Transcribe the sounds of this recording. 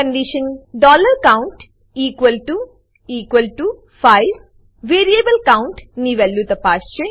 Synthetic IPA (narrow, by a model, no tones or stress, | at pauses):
kɐɳɖiʃɐnɖɔːlɐɾkɐwɳʈ | iːkʋɐlʈu | iːkʋɐlʈu | pʰɐjʋ | ʋeːɾieːbɐlɐkɐwɳʈniʋelːut̪ɐpaːʃt͡ʃe